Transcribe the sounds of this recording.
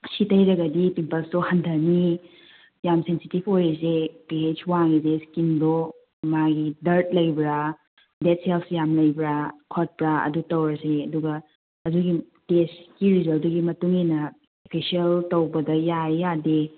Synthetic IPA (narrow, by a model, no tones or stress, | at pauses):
sitɐjɾɐɡɐdipipɐlstohɐndʱɐɾni | jamsensitibʰojzepied͡ʒwaŋɡizeskimdo | maɡidɐɾt̚lɐjbɾa | det̚selpsjamlɐjbɾakʰot̚pɾaɐ̰dutɐwɾɐseɐduɡɐ | ɐd͡ʒuɡi | teskiɾizɐlduɡimɐtuŋenɐ | opʰisiɐltɐwbɐdɐjajade